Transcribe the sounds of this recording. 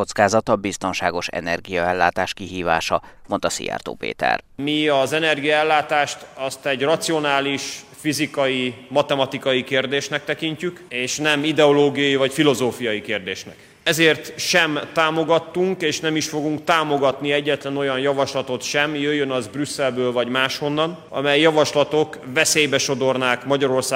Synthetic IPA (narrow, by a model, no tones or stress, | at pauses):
ot̪skaːzɒt̪ɒbist̪o̞nʃaːɡo̞ʃɛ̰nɛ̰rɡijɒɛlːaːt̪aːʃkiɦiːva̰ːʃɒmo̞nt̪ɒsḭɛ̰rt̪o̰ːpḛːt̪ɛ̰rmiɒzɛnɛrɡijɒɛlːaːt̪aːʃt̪ɒst̪ɛɟrɒt̪sio̞naːliʃfizikɒjimɒt̪ɛmɒt̪ikɒjikeːrd̪eːʃnɛk̚t̪ɛkiɲcykeːʃnɛmid̪ɛoloːɡijɒjivɒcfilo̞zoːfijɒjikeːrd̪eːʃnɛ̰k | ɛzeːrt̪ʃɛmːaːmo̞ɡɒt̪ːuŋkeːʃnɛmiʃfo̞ɡuŋkt̪aːmo̞ɡɒt̪niɛɟːɛt̪lɛno̞jɒnjɒvɒʃlɒt̪o̞t̪ʃɛmjøjːønɒzbrysːɛlbøːlvɒɟmaːʃho̞nːɒn | ɒ̰mɛjːɒvɒʃlɒt̪o̞kvɛseːjbɛʃo̞d̪o̞rnaːkmɒɟɒɾo̞rsaː